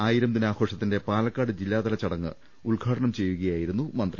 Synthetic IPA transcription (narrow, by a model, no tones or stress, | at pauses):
aːjiɾɐmd̪inaːkoːʂɐt̪ːinde̞paːlɐkːaːɽɨd͡ʑilːaːd̪ɐlɐt͡ɕːɐɽɐŋːɨ̰ | uɭɡʱaːʈɐɳɐmt͡ɕe̞jːuɣɐjaːjiɾunːumɐnd̪ri